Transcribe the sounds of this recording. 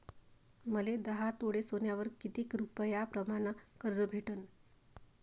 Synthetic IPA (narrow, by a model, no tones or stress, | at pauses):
məled̪əɦat̪oɽesonjaʋəɾkit̪iːkɾupəjapɾəmanəkəɾd͡zəbʱeʈən